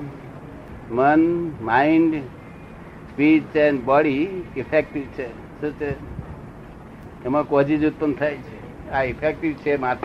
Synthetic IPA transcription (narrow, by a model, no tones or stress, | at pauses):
mənmaiɳɖ | spiɖt͡ʃenbɔɽiipʰek̚ʈiʋt͡ʃʰe | sut͡ʃe | kemãkod͡ʒid͡ʒut̪̚pənt̪ʰajt͡ʃʰe | aipʰek̚ʈiʋt͡ʃʰemat̪